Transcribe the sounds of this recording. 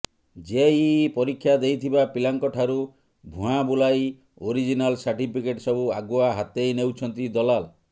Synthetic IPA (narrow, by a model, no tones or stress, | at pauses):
d͡ʒeipɔɾikʰːjad̪ejt̪ʰibapilaŋkɔʈʰaɾu | bʱũɦãbulaj | oɾid͡ʒinalsaɾʈipikeʈsɔbuaɡuaɦat̪ejnewt͡ʃʰɔnt̪id̪ɔlal